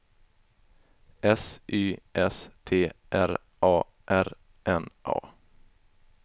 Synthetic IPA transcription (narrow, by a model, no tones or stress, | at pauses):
ɛsʔyːʔɛst̪ʰeːʔæɾ | ʔɑː | ʔæɾ | ʔɛnʔɑ̰ː